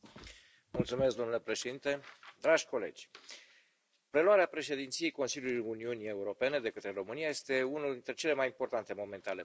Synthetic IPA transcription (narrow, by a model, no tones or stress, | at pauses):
mult̪sume̞skd̪o̞mnulepɾeʃe̞d̪int̪e̞d̪ɾaʒʲko̞le̞̰d͡ʒʲ | pɾe̞loaɾeapɾe̞ʃe̞d̪int̪sije̞jko̞nsilʲjulujuniunie̞uɾo̞pe̞ne̞d̪e̞kət̪ɾe̞ɾo̞mɨniaje̞st̪e̞unuld̪int̪ɾe̞t͡ʃe̞le̞majimpo̞rt̪ant̪e̞mo̞me̞nt̪ale̞